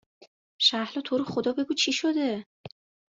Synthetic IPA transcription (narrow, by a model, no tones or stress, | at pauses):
ʃæhlɒːt̪ʰoːɾexod̪ɒːbe̞ɡuːt͡ʃʰiʃod̪e